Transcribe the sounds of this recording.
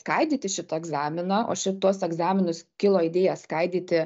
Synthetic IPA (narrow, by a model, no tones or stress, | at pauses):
skɐɪd̪ʲiːt̪ʲɪʃʲɪt̪ɐɛɡzɑːmʲɪnɑʔo̰ːʃʲɪt̪uɔsɛɡzɑːmʲɪnʊskʲɪlˠoːɪd̪ʲeːjɛskɐɪd̪ʲiːt̪ʲɪ